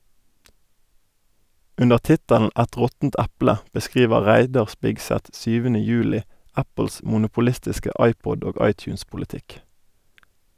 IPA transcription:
ˈʉnəʁ ˈtɪtəln̩ ˈæt ˈʁɔtn̩t ˈæplə bəˈskʁiːʋə ˈʁæɪdɑʁ ˈspɪɡsɛt ˈsyːʋənə ˈjʉːlɪ ˈæpl̩s mʊnʊpʊˈlɪstɪskə ˈɑɪˌpɔd ˈoː ˈɑɪˌtjʉːnspʊlɪˌtɪk

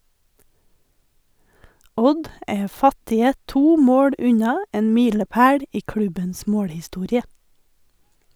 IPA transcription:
ˈɔd ˈeː ˈfɑtɪə ˈtuː ˈmoːɽ ˈʉɲɑ ˈeːn ˈmiːləˌpæːɽ ˈiː ˈkɽʉbəns ˈmoːɽhɪˌstuːɾɪə

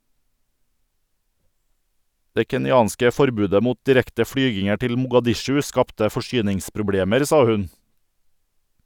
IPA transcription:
ˈdeː kɛnɪˈɑːnskə ˈfɔɾˌbʉːdə ˈmuːt dɪˈɾɛktə ˈfɽyːɡɪŋəɾ ˈtɪl mʊɡɑˈdɪʃʉ ˈskɑptə fɔˈʃyːnɪŋspɾʊˌbɽeːməɾ ˈsɑː ˈhʉn

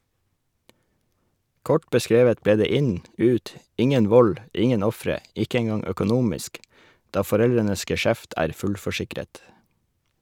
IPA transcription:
ˈkɔʈ bəˈskɾeːʋət ˈbeː ˈdeː ˈɪɲ ˈʉːt ˈɪŋən ˈʋɔl ˈɪŋən ˈɔfɾə ˈɪkə ɛŋˈɡɑŋ œkʊˈnuːmɪsk ˈdɑː fɔˈɾɛlɾənəs ɡɛˈʃæft ˈæːɾ ˈfʉlfɔˌʃɪkɾət

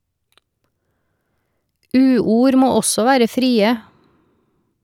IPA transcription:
ˈʉːˌuːɾ ˈmoː ˈɔsɔ ˈʋæːɾə ˈfɾiːə

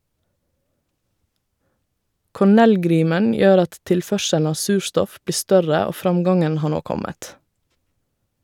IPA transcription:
kɔˈɳɛlˌɡɾiːmən ˈjøːɾ ˈɑt ˈtɪlˌfœʃəln̩ ˈɑː ˈsʉːˌʃtɔf ˈbliː ˈstœɾə ˈoː ˈfɾɑmˌɡɑŋən ˈhɑː ˈɳoː ˈkɔmət

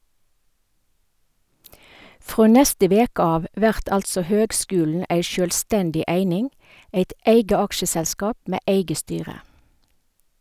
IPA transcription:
ˈfʁoː ˈnɛstə ˈʋeːk ˈɑːʋ ˈʋæʁt ˈɑltsɔ ˈhøːɡˌskʉːln̩ ˈæɪ ˈʃøːlˌstɛndɪ ˈæɪnɪŋ ˈæɪt ˈæɪɡə ˈɑkʃəsɛlˌskɑːp ˈmeː ˈæɪɡə ˈstyːʁə

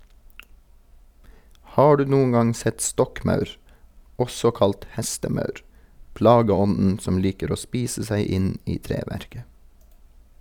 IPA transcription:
ˈhɑː ˈɖʉː ˈnuːʊŋ ˈɡɑŋ ˈsɛt ˈstɔkˌmɑʉɾ ˈɔsɔ ˈkɑlt ˈhɛstəˌmɑʉɾ ˈplɑːɡəˌɔnn̩ ˈsɔm ˈliːkəɾ ˈoː ˈspiːsə ˈsæɪ ˈɪn ˈiː ˈtɾeːʋæɾkə

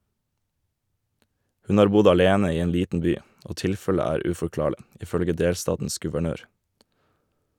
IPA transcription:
ˈhʉn ˈɑːɾ ˈbʊd ɑˈleːnə ˈiː ˈeːn ˈliːtn̩ ˈbyː ˈoː ˈtɪlfələ ˈæːɾ ʉfɔˈklɑːɭɪ ɪˈfœlɡə ˈdeːlˌstɑːtn̩s ɡʉʋəˈɳøːɾ

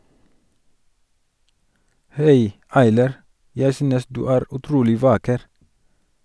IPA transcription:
ˈhæɪ ˈɑɪlɑɾ ˈjæɪ ˈsyːnəs ˈdʉː ˈæːɾ ʉˈtɾuːlɪ ˈʋɑːkəɾ

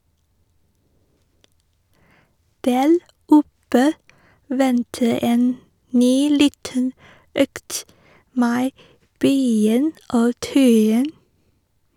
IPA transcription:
ˈdæːɾ ˈʊpə ˈʋɛntə ˈeːn ˈnyː ˈliːtən ˈøːkt ˈmeː ˈbœʏɪŋ ˈoː ˈtœʏɪŋ

